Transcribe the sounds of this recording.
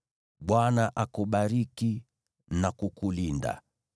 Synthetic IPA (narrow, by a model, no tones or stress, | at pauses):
ɓwanaʔakuɓaɾiki | nakukulinda̰